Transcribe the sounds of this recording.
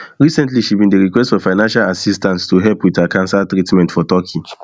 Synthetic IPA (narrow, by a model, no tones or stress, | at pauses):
ɹisɛ̃ntliʃibĩndeɹikwɛstfɔfaɪnãnʃalasistãnstuɦɛlpwiðakʰãnsaltɹitmɛ̃ntfɔtɔkʰĩŋ